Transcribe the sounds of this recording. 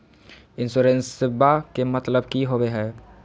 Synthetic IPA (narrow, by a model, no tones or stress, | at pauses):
ɪ̃nsoːɾensɪbːakemɐt̪ləbkiɦoweɦɛː